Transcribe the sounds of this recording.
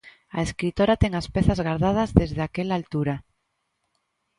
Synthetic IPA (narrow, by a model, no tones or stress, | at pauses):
aeskɾit̪oɾat̪eŋaspeθazɣaɾðað̞azðezðeakelalt̪uɾa